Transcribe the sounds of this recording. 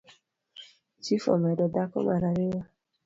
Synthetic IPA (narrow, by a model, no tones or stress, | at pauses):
t͡ʃifɔ̰mɛdɔdakɔ̰manaɾewa